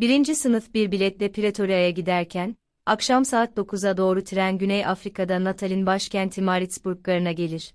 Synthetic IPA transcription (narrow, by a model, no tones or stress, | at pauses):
biɾind͡ʒisɯnɯfbiɾbilʲɛt̪lʲɛpʰiɾet̪ʰo̞ɾijajaɟid̪æɾcʰæn | akʃamsaːt̪̚d̪o̞kʰuzad̪o̞ːɾut̪ʰiɾænɟynɛjafɾikʰad̪anˠat̪ʰalʲinbaʃcʰænt̪ʰimaɾit̪sbuɾklˠaɾɯnaɟe̞lʲiɾ̥